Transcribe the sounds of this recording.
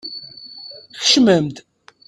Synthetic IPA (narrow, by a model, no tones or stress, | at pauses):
xə̥ʃməmt̪